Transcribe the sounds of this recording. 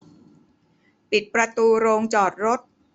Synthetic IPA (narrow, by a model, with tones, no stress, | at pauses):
pi˨˩t̪̚pɾa˧t̪uː˧ɾoː˧ŋt͡ɕɔː˨˩t̪̚ɾo˦˥t̪̚